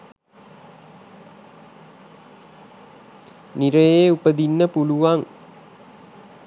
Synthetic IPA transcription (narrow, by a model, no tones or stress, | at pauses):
niɾəjeupəd̪inːəpuluʋaŋ